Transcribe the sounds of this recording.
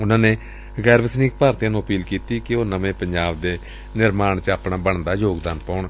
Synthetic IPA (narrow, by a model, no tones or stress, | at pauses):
ʊnãːneː | ɡɛːɾʋɪsniːk̚paːɾt̪jãːnũːəpiːlkiːt̪iːkɪoːnəʋẽːpəɲd͡ʒaːbd̪eː | nɪɾmaːɳt͡ʃaːpnaːbəɳd̪aːd͡ʒoːɡd̪aːnpaːʊɳ